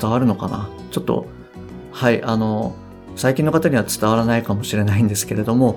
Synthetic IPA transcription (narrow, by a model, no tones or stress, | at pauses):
t̪aβ̞aɾɯ̟no̞ka̰na̰ | t͡ɕo̞t̪ːo̞̰ | haiʔano̞ | saikʲĩnːo̞kat̪aɲ̟iβ̞at͡sɨ̥t̪aβaɾanaikamo̞ɕiɾe̞naĩnd̪e̞sɨ̥ke̞ɾe̞d̪o̞mo̞